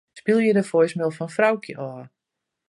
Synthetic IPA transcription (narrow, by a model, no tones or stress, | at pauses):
spilˠjədəfojsmɪlˠfɔnfrawkʰjəʔɔː